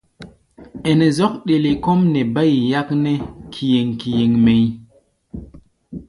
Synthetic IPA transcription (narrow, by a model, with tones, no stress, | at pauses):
e˨ne˨zɔ˦k̚ɗe˨le˨ko˦mne˨ba˦jja˦kne˦kʰi˨je˨ŋki˨je˨ŋme˨j